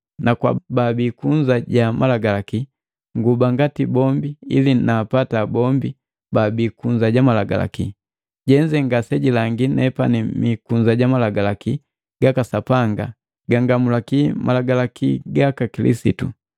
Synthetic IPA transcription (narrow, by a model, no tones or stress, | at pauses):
nakwa̰babikuɲd͡ʒaɟamʔalaɡalaki | ŋɡubaŋɡatibɔmbiḭlinaːpatabɔmbi | babikuɲd͡ʒaɟamalaɡa̰la̰ki | ɟɛɲd͡ʒɛŋɡasɛɟilaŋɡinɛpanimikuɲd͡ʒaɟamalaɡalaki | ɡ̥akasapaŋɡa̰ | ɡaŋɡamulakimʔalaɡalakiɡakakilḭsḭtṵ